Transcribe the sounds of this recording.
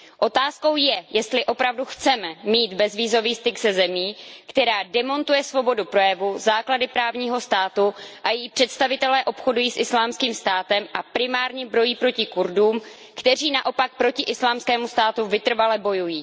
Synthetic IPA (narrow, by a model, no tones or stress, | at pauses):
ʔo̞t̪aːsko̞wjɛjɛst̪lɪʔo̞pɾavduxt͡sɛmɛmiːt̪bɛzviːzo̞viːst̪ɪɡzɛzɛmiːkt̪ɛɾaːdɛmo̞nt̪ujɛsvo̞bo̞dupɾo̞jɛvuzaːkladɪpɾaːvɲiːɦo̞st̪aːt̪uʔajɛjiːpr̝̥ɛt̪st̪avɪt̪ɛlɛːʔopxo̞dujiːsʔɪslaːmskiːmst̪aːt̪ɛmʔapɾɪmaːɾɲɛbɾo̞jiːpɾo̞cɪkuɾduːm | kt̪ɛr̝iːnaʔo̞pak̚pɾo̞cɪʔɪslaːmskɛːmust̪aːt̪uvɪt̪r̩valɛbo̞jujiː